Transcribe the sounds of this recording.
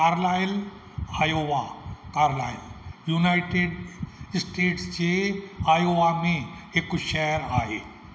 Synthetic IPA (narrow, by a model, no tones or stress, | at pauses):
kaɾlajl | ajoʋakaɾlajljunajʈeɖsʈeʈst͡ɕeajoʋameekoʃɛjəɾaːɦḛ